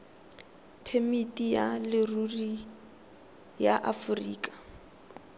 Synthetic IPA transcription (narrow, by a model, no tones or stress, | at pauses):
pʰemitʼijalɪruri | jaʔafʊrḭːkʼḁ